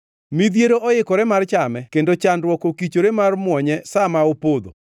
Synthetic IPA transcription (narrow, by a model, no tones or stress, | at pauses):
mid̪jeɾoʔɔɪkɔɾɛmart͡ʃamɛkendot͡ʃandwɔkokit͡ʃoɾemarmwɔɲɛsamaopod̪o̰